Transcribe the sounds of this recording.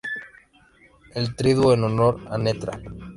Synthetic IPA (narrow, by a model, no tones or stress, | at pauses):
elt̪ɾiðwoenonoɾanet̪ɾa̰